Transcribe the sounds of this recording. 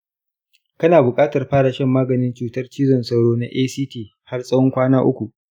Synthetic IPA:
kɐ˦naː˨bʊ˨kʼaː˦tɐ˨rɸaː˦ɽa˨ʃɛ˦mːaː˦ɡɐ˨nɪ˦nt͡ʃuː˨tɐ˦rt͡ʃiː˦zɔ˨nsɐ˦˨wɽoː˦na˦ʔeː˦siː˦tiː˦ | ha˦rsʼɐ˦wɔ˦ŋkʷaː˦naː˦ʔʊ̰˦kʷu˨ʔ

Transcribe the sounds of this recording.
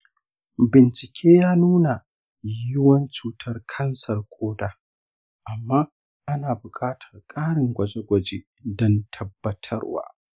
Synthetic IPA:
bɪ˨nt͡ʃɪ˨kʲʰeː˦jaː˦nuː˦na˨ | jɪ˦wɐ˦nt͡ʃuː˨tʰɐ˦rkʰɐ˦nsɐ˨rkʷʰʼoː˦daː˦ | ʔa˨mːaː˦ | ʔa˦naː˨bʊ˨kʼaː˦tʰɐ̥˨rkʼaː˦ɽɪ˨ŋɡʷɐ˨d͡ʒe˦ɡʷɐ˨d͡ʒeː˦ | dɔ˦ntʰɐ˦bːɐ˦tʰɐ̰˦rwa̰ː˦

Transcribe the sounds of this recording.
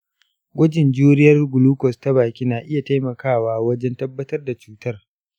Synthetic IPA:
ɡʷɐ˦d͡ʒɪ˨nd͡ʒuː˦ɾɪ˦jɐ˦rɡʷʊ˨luː˦kɔ˨sta˦baː˨kʲiː˦naː˨ʔɪ˦ja˨ta˦jmɐ˨kʰaː˦˨waː˦wɐ˦d͡ʒɛ˦ntɐ˦bːɐ˦tɐ˦rda˨t͡ʃuː˦tʰɐ˦r

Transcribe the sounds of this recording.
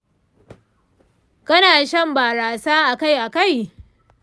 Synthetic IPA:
kɐ˦naː˨ʃɐ˦˨mbaː˨ɾaː˨saː˦ʔa˨ka˦˨jʔa˨ka˦˨j

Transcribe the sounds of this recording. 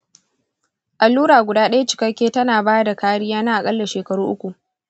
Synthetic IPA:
ʔa˨lːuː˦ɽaː˨ɡʷʊ˨daː˦ɗɐ˦ja˦t͡ʃɪ̥˨kɐ˦kʲːeː˦tɐ˦naː˨baː˦da˨kaː˦ɽɪ˦jaː˦na˦ʔa˨kʼɐ˦lːɐ˨ʃeː˨kɐ˨ɽuː˦ʔʊ˦kʷu˨ʔ

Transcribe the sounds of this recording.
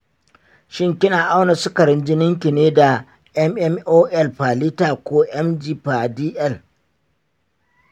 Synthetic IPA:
ʃɪ˦ŋkʲɪ˦naː˨ʔa˦wna˨sʊ˦kɐ˨ɾɪ˦nd͡ʒɪ˦nɪ˦ŋkʲɪ˨neː˦da˨ | ʔɛ˦mʔɛ˦mʔoː˦ʔɛ˦lɸaː˨li˦taː˨kʷoː˦ʔɛ˦md͡ʒiː˦pa˨diː˦ʔɛ˦˨l

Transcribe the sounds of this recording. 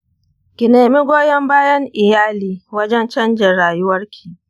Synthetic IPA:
kʲɪ˨neː˨mi˦ɡʷoː˦jɐ˦mbaː˦jɐ˦ŋʔɪ˨jaː˦liː˨wɐ˦d͡ʒɛ˦nt͡ʃɐ˦nd͡ʒe˨ɽaː˨jʊ˦wɐ˦rkʲʰi̥ː˨

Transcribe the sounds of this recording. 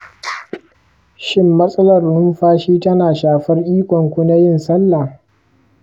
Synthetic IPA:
ʃɪ˦mːɐ˦sʼɐ˦lɐ˨rnʊ˦mɸaː˦ʃiː˦tɐ˦naː˨ʃaː˨ɸɐ˦rʔiː˦kʷɔ˨ŋkʷu˦na˦jɪ˦˨nsɐ˦lːa˨

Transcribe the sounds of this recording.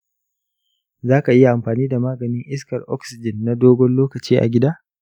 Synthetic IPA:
zaː˦ka˨ʔɪ˦ja˨ʔa˨mɸaː˨niː˦da˨maː˦ɡɐ˨nɪ˦ŋʔɪ˦skɐ˨rʔɔ̰˦ksɪ˨d͡ʒɪ˨nːa˦doː˦ɡʷɔ˦nloː˦kɐ˨t͡ʃiː˦ʔa̰˨ɡʲɪ˦daː˦

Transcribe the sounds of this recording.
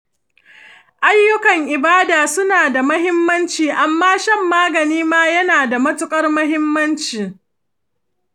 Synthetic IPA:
ʔa˦jːʊ˦kɐ˨ŋʔɪ˨baː˦daː˨sʊ˦naː˨da˨mɐ˦ɦɪ˦mːɐ˦nt͡ʃiː˨ʔa˨mːaː˦ʃɐ˦mːaː˦ɡɐ˨niː˦maː˦jɐ˦naː˨da˨mɐ˦tʊ˦kʼɐ˦rmɐ˦ɦɪ˦mːɐ˦nt͡ʃiː˨

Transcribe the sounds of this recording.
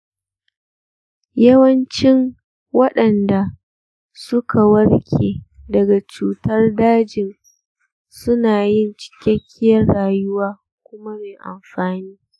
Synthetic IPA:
jɐ˦wɐ˦nt͡ʃɪ˦ŋ | wɐ˦ɗɐ˨nda˨ | sʊ˦kʰa˨wɐ˦rkʲʰḛː˨dɐ˨ɡa˨t͡ʃuː˨tɐ˦rdaː˦d͡ʒɪ˨n | sʊ˦naː˨jɪ˦˨nt͡ʃɪ̥˦kʲɐ˦kʲʰːɪ˦jɐ˦rɽaː˨jʊ˦waː˦ | kʷʊ˦ma˦meː˨ʔa̰˨mɸaː˨niː˦

